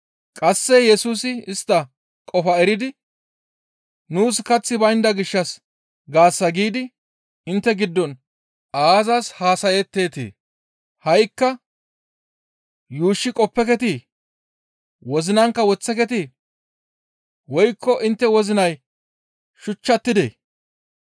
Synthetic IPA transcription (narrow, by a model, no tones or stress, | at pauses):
kʼɐsːɛjɛsuːsɪɪst̪ːɐ | kʼɔfɐɛɾɪd̪ɪ | nuːskɐt͡sːɪbɐjnd̪ɐɡɪʃːɐs | ɡaːsːɐɡiːd̪ɪ | ɪnt̪ːɛɡɪd̪ːɔn | aːzashaːsɐjɛt̪ːeːt̪ḛː | hɐjkːɐ | juːʃːɪkʼɔpːɛkɛt̪i | wɔzɪnɐŋkːɐwɔt͡sːɛkɛt̪i | wɔjkːɔʔɪnt̪ːɛwɔzɪnɐj | ʃʊt͡ʃːɐt̪ːɪd̪ḛ